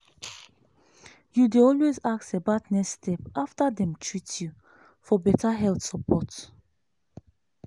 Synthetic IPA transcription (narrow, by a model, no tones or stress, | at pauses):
judeɔlwezaksebatnɛstʰɛpaftadɛ̃mtʰɹitju | fɔbɛtʰaɦɛlθsəpʰɔt